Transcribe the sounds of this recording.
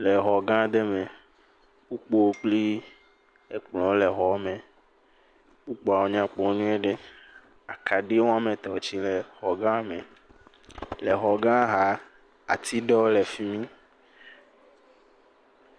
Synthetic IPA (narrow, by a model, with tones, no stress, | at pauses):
lɛ˨ɦɔ˨ɡã˦d̪e˦me˨ | wu˦k͡po˦o˦k͡pli˦ | e˦k͡plɔ̃˨˦le˨ɦɔ˨˦mẽ˨ | wu˦k͡po˨a˨wo˨ɲã˦k͡pɔ˨˦nũ˦e˦ɖe˦ | a˨kʰa˨ɖe˦wõ˦a˦mẽ˨t̪ɔ˨o˨t͡ʃi˦lɛ˨xɔ˨ɡã˦mẽ˨ | le˨ɦɔ˨ɡã˦ɦa˨˦ | a̰˨t̪i˦ɖɔ˦le˨fi˦mĩ˦